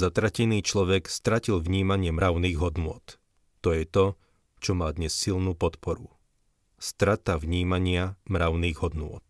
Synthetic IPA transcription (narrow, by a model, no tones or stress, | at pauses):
zat̪ɾacɛniːt͡ʃlɔʋɛkst̪ɾacilʋɲiːmaɲɪɛmɾaʊniːɣɦɔd̪nʊɔt̪ː | ɔjɛt̪ɔ | t͡ʃɔmaːd̪ɲɛsːilnuːpɔt̪pɔɾu | st̪ɾat̪avɲiːmaɲɪamɾaʊniːɣɦɔd̪nʊɔ̰t̪̚